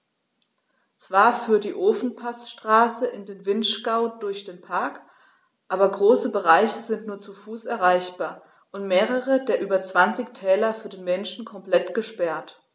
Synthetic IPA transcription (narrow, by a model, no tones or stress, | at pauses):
t͡sv̥aːɐfyːɐtd̥iːʔoːfn̩pʰasʃtʁ̥aːsəʔɪndeːnvɪntʃkaʊdʊɐçd̥eːnpʰaɐk | ʔaːbɐɡʁoːsəbəʁaɪçəzɪntnuːɐt͡sufuːsɛɐʁaɪçb̥aːɐ | ʔʊntmeːʁəʁədeːɐʔyːbɐt͡sv̥ant͡sɪçtʰɛːlɐfyːɐdeːnmɛnʃn̩kʰɔmplɛtɡ̥əʃpɛɐt